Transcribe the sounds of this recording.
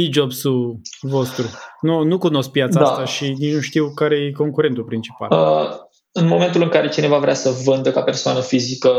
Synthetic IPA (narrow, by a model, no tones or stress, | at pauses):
id͡ʒobsuvo̞st̪ɾununukuno̞sk̚pjat̪sdaat̪aʃinit͡ʃnuʃt̪iwkaɾe̞jeko̞ŋkuɾe̞nt̪upɾint͡ʃi̥pa̰lə | ɨnmo̞ment̪ulɨŋkaɾe̞t͡ʃine̞vavɾeasəvɨnd̪əkape̞rsoanəfizikə